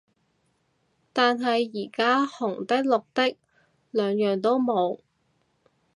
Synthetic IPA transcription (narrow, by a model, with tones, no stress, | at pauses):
t̪aː˨nɦɐ˨jːiː˨˩kaː˥hʊ˨˩ŋt̪ɐ˥k̚lʊ˨k̚t̪ɪ˥k̚ | lœː˨˧ŋjœː˨ŋt̪o˥wmo˨˧w